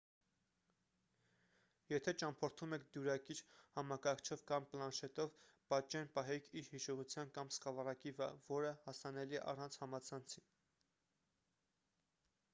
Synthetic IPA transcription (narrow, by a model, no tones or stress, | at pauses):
jɛt̪ʰɛt͡ʃɑmpʰɔɾt̪ʰumɛkʰd̪juɾɑkiɾhɑmɑkɑɾkʰt͡ʃʰɔvkɑmplɑnʃɛt̪ɔvpɑt͡ʃɛnpɑɦɛkʰiɾhiʃɔʁut͡sʰjɑnkɑmskɑvɑrɑkivəɾɑ̰vɔɾəhɑsɑnɛliɛ̰ʔɑ̰rɑnt͡sʰhɑmɑt͡sʰɑnt͡sʰin